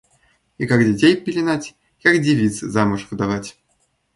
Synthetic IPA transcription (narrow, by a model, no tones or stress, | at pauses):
ikakdʲɪtʲejpʲɪlʲɪnatʲ | kakdʲɪvʲit̪sɨzamʊʂvɨd̪avatʲ